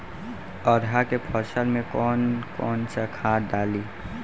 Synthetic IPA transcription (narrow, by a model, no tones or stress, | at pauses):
ɔɾɦakepʰəɾsəlmẽkɔːnkɔːnsəkʰad̪aːli